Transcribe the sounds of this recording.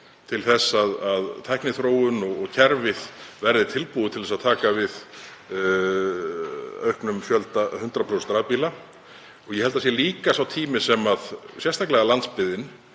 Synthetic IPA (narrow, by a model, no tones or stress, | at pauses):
t̪ʰɪlθɛsːaðaðt̪ʰajhknɪθɾoːwʏnɔɣɔɣcʰɛɾvɪð̥vɛɾðɪt̪ʰɪlpuːðʏt̪ʰɪlðɛsaðt̪ʰaːkavɪð | œ̰ɥhknʏmfjœlt̪ahʏnt̪ɾapʰɾowsɛnɾaðpiːla | ɔɣjɛhɛlt̪asjɛliːkasawt̪ʰiːmɪsɛmaðsjɛst̪ʰaklɛːɣalant̪spɪðɪn